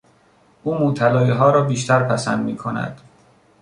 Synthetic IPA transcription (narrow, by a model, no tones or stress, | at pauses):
ʔuːmot̪ʰælɒːjiɦɒːɾɒːbiːʃt̪ʰæɾpʰæsænd̪miːkʰonæ̰d̪̥